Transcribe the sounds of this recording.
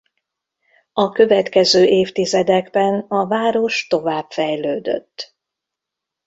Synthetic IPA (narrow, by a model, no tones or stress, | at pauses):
ɒkø̞vɛt̪kɛzøːʔeːft̪izɛd̪ɛɡbɛnɒvaːɾo̞ʃt̪o̞vaːbfɛjløːd̪ø̰t̪ː